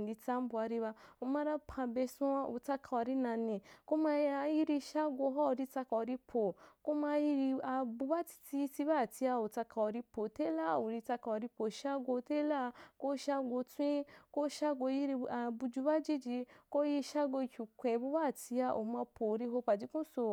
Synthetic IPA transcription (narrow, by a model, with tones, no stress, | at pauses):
n˨di˧ta˦m̩˦bu˧a˧ɾi˧βa˧o˧ma˧ɾa˦pʰã˧be˧sũ˦a˧ṵ˧˨ta˧kʰa˧wa˧ɾi˦nã˧nĩ˧ko˦ma˧a˧ji˦ɾi˧ʃa˦ɡʷo˧˦ɦɔ˦o˨ɾi˧t͡sa˧ka˧˨wa˧ɾi˧pʰo˨ko˦ma˧ji˧ɾi˧a˨bu˧ba˦ti̥˧ti˧i˧ti˧ba˦˨ti˧a˧o˨ta˧kʰa˧wa˧ɾi˧po˨te˦la˦˨o˨ɾi˧ta˧ka˧wa˧ɾi˧po˨ʃa˦ɡo˧te˦la˦ko˦ʃa˦ɡo˧tũ˦ĩ˦ko˦ʃa˦ɡo˧ji˦ɾi˧a˨bu˧d͡ʒu˧˦ba˦d͡ʒi˦d͡ʒi˧ko˦ji˧ʃa˦ɡo˧i˧kʲu˨kʷɛ̃˨bu˦ba˦˨ti˧a˧ʔo̰˨mã˧pʰo˨ɾi˧ɦo˧pa˨d͡ʒi˨˧˦kũ˦so˨